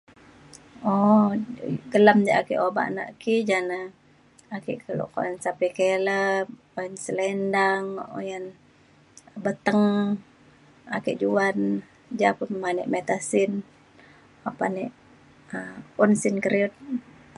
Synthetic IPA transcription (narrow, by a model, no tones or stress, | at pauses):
ɔ | ɡəlamd͡ʒaʔakiʔoba̰ʔna̰ʔkiʔd͡ʒana | akḭʔkəlo̰ʔko̰jansapikeləp | ojansəlɛndaŋo̰jən | bət̪əŋ | a̰kɛ̰ʔd͡ʒuan | d͡ʒapʊnmanɛ̰ʔmet̪asin | apanɛʔ | əunsinkəɾiut̪̚